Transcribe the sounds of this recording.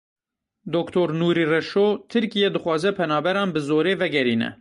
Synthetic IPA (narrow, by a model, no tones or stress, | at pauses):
d̪okt̪ʰoːɾnuːɾiːrɛʃoːt̪ʰɨɾkijɛd̪ɨxwɑːzɛpʰɛnɑːbɛɾɑːnbɨzoːɾeːvɛɡɛɾiːnɛ̰